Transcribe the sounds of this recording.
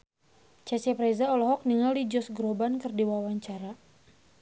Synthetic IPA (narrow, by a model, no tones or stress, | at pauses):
t͡ʃat͡ʃɛpɾezaɔlɔɦɔk̚niŋaldid͡ʒɔsɡɾobankɨrdiwawaɲt͡ʃaɾa